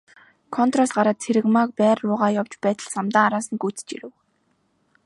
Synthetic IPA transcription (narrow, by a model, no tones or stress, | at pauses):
kʰɔnt̪rɔsɢaɾaːt̪̚t͡sʰeɾɘ̆kmak̚pæːrʊːʁaːjawt͡ɕpæːt̪ə̆ɮsamt̪aːaɾaːsə̆nɡut͡s̆t͡ɕḭɾɘ̆w